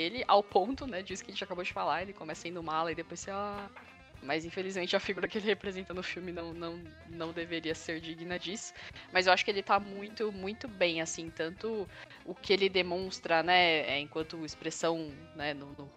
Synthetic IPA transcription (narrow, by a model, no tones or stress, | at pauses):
elɪʔawpõnt̪ʊnɛd͡ʒɪisʊkɪɐʒẽt͡ʃɪakabod͡ʒɪfalaelɪkõmɛsɐĩnd̪ʊmalɐid̪epojs | mɐjzĩfelizmẽnt͡ʃɪɐfiɡuɾɐkɪelɪhepɾezẽnt̪ɐnʊfiwmɪnɐ̃w̃nɐ̃w̃ | nɐ̃w̃d̪eveɾiɐseɾd͡ʒiɡnɐd͡ʒisʊ̥mɐzewaʃʊ̥kɪelɪt̪amũj̃t̪ʊmũj̃t̪ʊbẽj̃asĩt̪ɐ̃nt̪ʊ | ʊkɪelɪd̪emõst̪ɾɐnɛɛ̰ẽkwɐ̃nt̪ʊɪspɾesɐ̃w̃ | nɛnʊnʊ